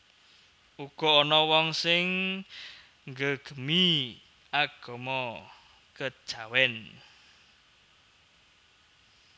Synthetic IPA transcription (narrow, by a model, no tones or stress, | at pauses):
uɡ̥ɔ̤ɔnɔwɔŋsɪŋ | ŋɡəɡ̥ə̤mi | aɡ̥ɔ̤mɔ | kə̥ʒ̥awɛn